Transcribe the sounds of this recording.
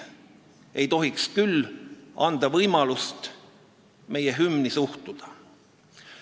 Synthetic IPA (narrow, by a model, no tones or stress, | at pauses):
e̞jt̪o̞ɦikskylːɑnd̪̥ɑvɤjmɑlust̪ | me̞jeɦymnisuht̪ud̪̥ɑ̥